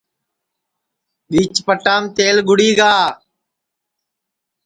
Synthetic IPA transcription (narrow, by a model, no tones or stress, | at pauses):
ɓiːt͡ʃpəʈaːmt̪eːlɡʊɽiːɡaː